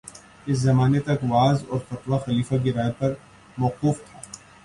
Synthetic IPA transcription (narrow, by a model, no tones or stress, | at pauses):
ɪs̬zɐmaːnet̪ɐkʋaːzɔːɾfɐt̪ʋaxɐliːfaɡɪɾaːepɐɾ | mɔːquːft̪ʰaː